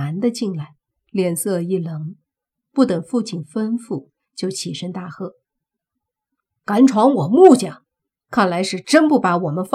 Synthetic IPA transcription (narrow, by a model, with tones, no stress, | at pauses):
a˧˥nd̪ə˧t͡ɕi˥˧nla˥˩ɪ | ljɛ˥˧˩nsɤ˥˧i˥˩lɤ˧˥ŋ | pu˥˩t̪ɤ˨˩ŋfu˥˧t͡ɕʰi˥˩nfə˥nfu˥˩ | t͡ɕjo˥˩ʊt͡ɕʰi˨˩ʂə˥ŋt̪a˥˩xɤ˥˩ | ka˧˥nʈ͡ʂʰwɑ˧˥ŋwɔ˨˩mu˥˩t͡ɕjɑ˨˩˦ŋ | kʰa˥˩nla˧˥ɪʂɻ̩˥˩ʈ͡ʂə˥npu˥˩pa˧˥wɔ˨˩mə˦nf